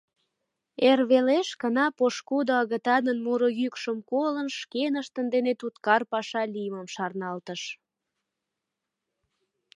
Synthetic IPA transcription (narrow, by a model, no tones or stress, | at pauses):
erβeleʃkənɑpoʃkud̪oəɣət̪ɑd̪ənmuɾojykʃəmkolənʃkenəʃt̪ənd̪enet̪ut̪kɑrpɑʃɑlijməmʃɑrnɑlt̪əʃ